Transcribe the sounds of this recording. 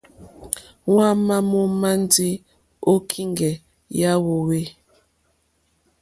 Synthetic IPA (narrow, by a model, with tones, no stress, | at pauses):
wa˦ma˦mo˦ma˦ndi˦ | o˦kʰi˦ŋɡɛ˨ | ja˦wo˨we˦